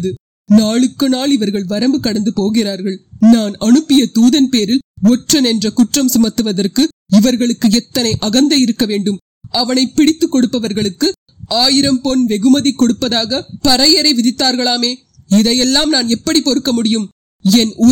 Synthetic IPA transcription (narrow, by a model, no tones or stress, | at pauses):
ðɯ | naːɭɯkːɯnaːɭɪʋɐɾɣɐɭʋɐɾɐmbɯkɐɽɐnd̪ɯpoːɣɪraːɾɣɐɭnaːnɐɳɯpːɪjɐt̪uːðɐnpeːɾɪlɔʈrɐnɛndrɐkʊʈrɐmsʊmɐt̪ːɯʋɐðɐrkɯ | ɪʋɐɾɣɐɭɯkːɯɛt̪ːɐnɐɪʔɐɣɐnd̪ɐjɪɾɯkːɐʋeːɳɖɯm | ɐʋɐnɐɪpːɪɽɪt̪ːɯkːɔɽɯpːɐʋɐɾɣɐɭɯkːɯ | aːjɪɾɐmpɔnʋɛɣɯmɐðikːɔɽɯpːɐðaːɣɐpɐɾɐjɐɾɐɪʋɪðɪt̪ːaːɾɣɐɭaːmeː | ɪðɐjɛlːaːmnaːnɛpːɐɽipɔɾɯkːɐmʊɽɪjɯm | ɛnʊ